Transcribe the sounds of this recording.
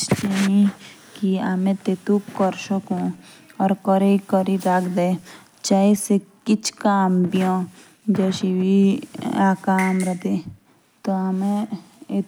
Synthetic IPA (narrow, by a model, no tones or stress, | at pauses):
t͡ʃeni | kiɐmẽt̪et̪ukɔɾʃəkõ | ɔːɾkɔɾekɔɾid̪akʰd̪e | t͡ʃaːisekɪt͡ʃʰkaːmbijõ | d͡ʒɛːʃibiaːkaːmɾət̪e | t̪oɐmẽe